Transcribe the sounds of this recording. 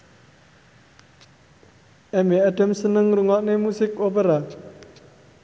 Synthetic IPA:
ʔɛmeaɖəmsənəŋɾuŋɔʔnemusɪkopəɾa

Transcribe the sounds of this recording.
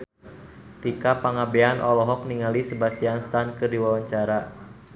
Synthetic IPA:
t̪ikapaŋabeanʔɔlɔɦɔk̚niŋalisəbast̪ianst̪ankɨrdiwawaɲt͡ʃaɾa

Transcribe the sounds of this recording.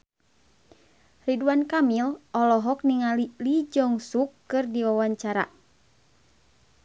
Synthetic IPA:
riduankamilʔɔlɔɦɔk̚niŋalilid͡ʒɔŋsukːɨrdiwawaɲt͡ʃaɾa̰

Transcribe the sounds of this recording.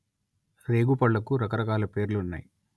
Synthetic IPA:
ɾe̞ːɡupɐɭːɐkuɾɐkɐɾɐkaːlɐpe̞ːɾluunːa̰ːji

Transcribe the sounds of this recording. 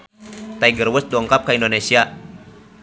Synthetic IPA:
t̪aiɡərwəs̚dɔŋkap̚kaindonesia

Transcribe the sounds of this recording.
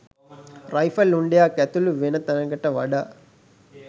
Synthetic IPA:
ɾɐjfɐluɳɖjaːkɐt̪uluʋinɐt̪ɐnɐɡɐʈɐʋɐɖɐ

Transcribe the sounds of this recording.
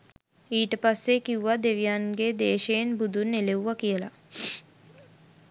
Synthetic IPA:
iːʈəpasːekiuʋad̪eʋijanɡed̪eːʃejnbud̪unːeleuʋakijəla

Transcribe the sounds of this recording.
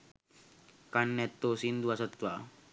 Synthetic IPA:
kanːɛt̪ːosind̪uasɔt̪wa

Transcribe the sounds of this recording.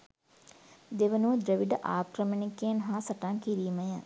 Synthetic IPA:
d̪eʋənuʋəd̪ɾəʋiɖəʔaːkɾəmənikːeːnɦaːsɐʈaŋkiɾiːməja

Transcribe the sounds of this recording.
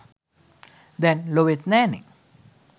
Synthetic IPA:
d̪ɛ̃nloʋet̪nɛnḭ̃ŋ

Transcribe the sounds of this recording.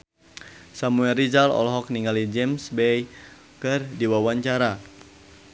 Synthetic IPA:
samuɛlrizalɔ̰lɦɔk̚niŋalid͡ʒɛmsbɛj | kɨrdiwawaɲt͡ʃaɾa

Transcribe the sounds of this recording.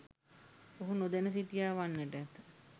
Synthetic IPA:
oɦunod̪enəs̬it̪ijaːʋanːeʈɛt̪

